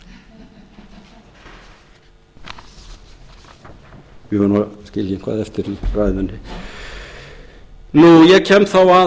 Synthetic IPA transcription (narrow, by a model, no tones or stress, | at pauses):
ʋɪhanaskɪljɪŋkʰva̰ːðɛft̪ɪɾirajðanːɪ | nujɛcʰɛmθawa